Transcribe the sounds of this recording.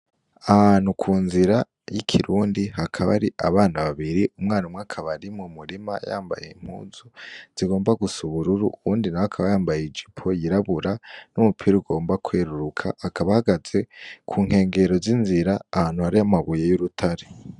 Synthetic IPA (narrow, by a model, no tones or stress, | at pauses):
ahaːn̥hukʰuːnziɾa | jikʰiɾuːndiɦakʰaβa̰ɾiʔaβaːnaβaβiɾiʔumŋaːnumwakʰaβaɾimumuɾima̰ja̰ːmba̰jeim̥hṵːzuz̥iɡo̞ːmbaɡusuβuɾuɾṵβuːndinawakʰaβajaːmbajeid͡ʒipʰojiɾaβuɾanumupʰiɾiuɡo̞ːmbakweːɾuɾukʰa̰akaβahaɡaz̥e̞kʰuːŋ̥he̞ːŋɡe̞ɾo̞zinziɾaːhaːnhuhaɾiamaβuje̞juɾutʰaɾe